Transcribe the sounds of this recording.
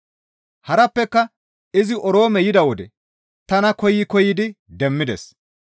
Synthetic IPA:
hɐɾɐpːɛkːɐ | ɪzɪʔɔɾo̞ːmɛjɪd̪ɐwɔd̪ɛ | t̪ɐnɐkɔjɪkɔjɪd̪ɪd̪ɛmːɪd̪ɛs

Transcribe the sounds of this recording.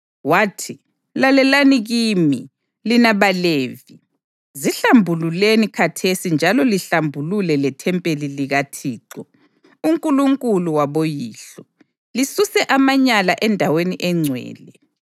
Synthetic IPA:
waːtʰi | lalɛlaniɣimi | linaβaleːvi | ziɬambʱululenikʰatʰesind͡ʒʱalɔliɬambʱululɛlɛtʰɛmpʼeliliɣatʰiːǁɔ | uŋkʼuluŋkʼuluwaβojiːɬɔ | lisusɛʔamaɲalaʔɛndʱaweniʔɛŋ͡ǀʱwɛ̰ːlɛ

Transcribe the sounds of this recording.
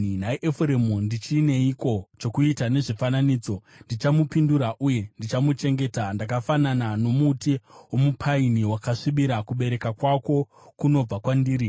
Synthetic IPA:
naiʔefuɾemundit͡ʃine̞iko̞t͡ʃo̞kuitane̞ʐifananiːd͡zo̞ndit͡ʃamupinduɾaʔuje̞ndit͡ʃamut͡ʃe̞ŋɡe̞ːtandakafananano̞mutiwomupʰainiwakaʂiɓiɾakuɓe̞ɾe̞kakwako̞ | kuno̞b͡vakwandiːɾi

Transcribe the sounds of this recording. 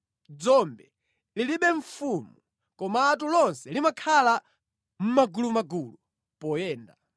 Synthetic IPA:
d͡zɔmbɛ | liliɓɛɱfuːmu | kɔmaːtulɔnsɛlimakʰala | m̩maɡulumaɡuːlu | pɔjɛːnda

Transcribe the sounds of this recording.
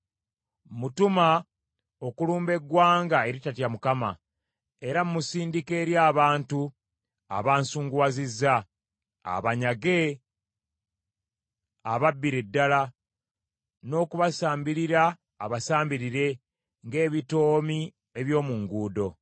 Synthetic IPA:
mutuma | o̞kuluːmbe̞ɡwaːŋɡae̞ɾitatjamukama̰ | e̞ɾamːusiːndike̞ːɾjaːβaːntu | a̰βaːnsuːŋɡwazizːa̰ː | βaɲaɡe̞ | aβabːiɾedːala | no̞ːkuβasaːmbiɾiɾaː | βasaːmbiɾiɾe̞ | ŋɡe̞ːβito̞ːmi | eβjo̞ːmuŋɡuːdo̞

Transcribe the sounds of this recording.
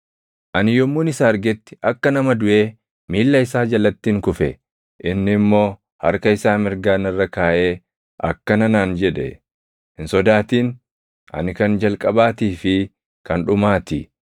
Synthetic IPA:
ʔɐnɪjɔmːuːnɪsaːɐɾɡɛt̪ːɪ̥ʔɐkːɐnɐmɐd̪ʊʔe̞ː | miːlːɐɪsaːd͡ʒɐlːɐt̪ːiːŋkʊfɛ | ʔɪnːɪmːo̞ː | hɐ̰ɾkɐɪsaːmɪɾɡaːnɪrːɐkaːʔeː | ʔɐ̰kːɐnɐnaːnd͡ʒɛᶑɛ̰ | hɪnsɔd̪aːt̪iːn | ʔɐ̰nɪkɐnd͡ʒɐlkʼɐbaːt̪iːfɪ | kɐnᶑʊmaːt̪ɪ

